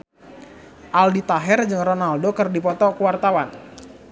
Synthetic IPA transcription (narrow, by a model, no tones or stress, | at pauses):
ʔaldit̪aɦɛrd͡ʒɨŋrɔnaldokərdipɔt̪ɔkuwart̪awan